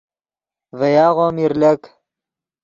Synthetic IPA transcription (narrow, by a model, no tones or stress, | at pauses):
vɐjaːʁoːmiɾlɐk